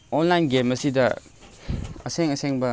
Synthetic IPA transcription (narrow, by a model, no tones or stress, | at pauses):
onlajnɡemɐsidɐ | ɐseŋɐseŋbɐ